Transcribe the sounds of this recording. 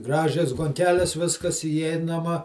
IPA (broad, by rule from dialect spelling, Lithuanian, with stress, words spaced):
ˈɡrɑːʒʲɛs ɡoːŋʲˈkʲæːlʲɛs ˈʋʲɪskɐs iːˈɛɪnɐmɐ